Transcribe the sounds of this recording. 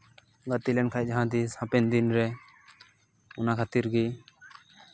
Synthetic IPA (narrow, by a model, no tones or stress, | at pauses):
ɡət̪ilɛnkʰajd͡ʒɦãd̪isãpɛnd̪inɾɛ | ʊnakʰat̪iɾɡi